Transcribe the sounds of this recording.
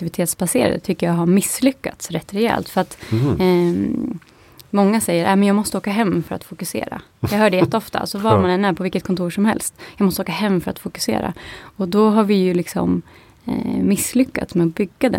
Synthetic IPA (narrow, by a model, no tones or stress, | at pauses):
ɪvɪt̪ʰeːt̪sbaseːɾa̰d̪ə̰t̪ʰʏkːəjɑɦaɾmɪslʏkːa̰t̪sɾɛt̪ːɾɛɛ̰ːlt̪fœɾat̪ | mɔŋːasɛjːəɾʔæːmɛnjɑːɡmɔst̪əoːkaɦɛmːfœɾa̰t̪fʊkɵsḛːɾa̰jɑːɡɦœːɖɛjɛt̪ːəɔft̪a̰sɔvamanɛnːæɾpʰɔvɪlkːət̪̚kʰɔnt̪ʰuːɾʂɔmhɛ̰lst̪jɑɡmɔstəoːkahɛmːfœɾa̰t̪fʊkɵ̥sḛːɾa̰ɔd̪ɔɦaɾvɪjɵlɪksɔ̰m | ɪsːlʏkːa̰t̪smɛɔbʏɡːad̪ɛ̰